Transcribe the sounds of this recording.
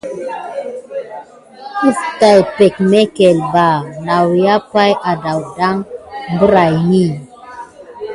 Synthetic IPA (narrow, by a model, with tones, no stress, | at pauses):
u˦fta˨jpɛ˨kmɛ˦kɛ˨lba˨na˨wja˦pa˦jʔa˨da˨wda˦ŋbə˦ɾa˨jni˦˨